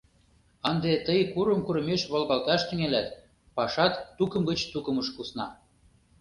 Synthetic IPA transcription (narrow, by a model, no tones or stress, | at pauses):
ɑnd̪et̪əjkuɾəmkuɾə̆meʃβolɣɑlt̪ɑʃt̪yŋelæt̪ | pɑʃɑt̪ːukə̆mɡə̆t͡ɕt̪ukə̆məʃkusnɑ